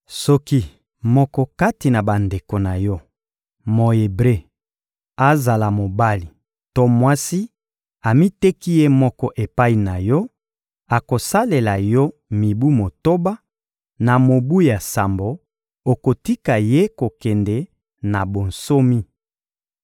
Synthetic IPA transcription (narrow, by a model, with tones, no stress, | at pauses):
sɔ˦ki˦ | mɔ˦kɔ˦ka˦ti˨na˨ba˨nde˨ko˨na˨jɔ˦ | mo˨e˨bʁe˦ | a˦za˨la˨mo˨ba˦li˨ | to˦mwa˦si˦ | a˨mi˦te˦ki˦je˦mɔ˦kɔ˦ʔe˨pa˦i˨na˨jɔ˦ | a˨ko˨sa˦le˨la˨jɔ˦ | mi˨bu˦mo˨to˦ba˦ | na˨mo˨bu˦ja˨sa˨mbo˨ | o˨ko˨ti˦ka˨je˦ko˨kɛ˨ndɛ˨ | na˨bo˨n̩so˦mi˦